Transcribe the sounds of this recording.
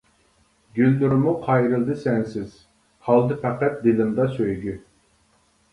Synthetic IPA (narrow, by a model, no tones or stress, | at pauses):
ɡʲylːyɾmuqʰɑjɾɨlˠd̪ɨsɛnsɪz̥ | hɑlˠd̪ɨpʰæqæt̪̚d̪ɪlɪmd̪ɑsøjɡʲy